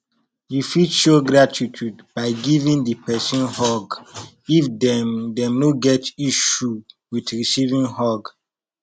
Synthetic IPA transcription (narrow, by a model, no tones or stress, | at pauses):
jufidʃoɡɾatʰitʰudbaɪɡivĩndəpʰɛsɔ̃nhɔɡ | ifdɛmdɛ̃mnoɡɛtiʃuwidɹisivĩnhɔɡ